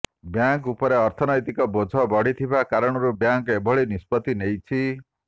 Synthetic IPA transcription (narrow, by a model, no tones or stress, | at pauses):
bjaŋkupɔɾeɔɾt̪ʰɔnɔjt̪ikɔbod͡ʒʱɔbɔɽ̤it̪ʰibakaɾɔɽ̃ɔɾubjaŋkebʱɔɭinispɔt̪inejt͡ʃʰi